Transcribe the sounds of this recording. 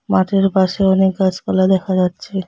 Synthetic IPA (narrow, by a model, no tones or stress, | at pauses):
maʈeɾbaʃeɔnek̚ɡat͡ɕkɔlad̪ɛkʰad͡ʑatːɕʰe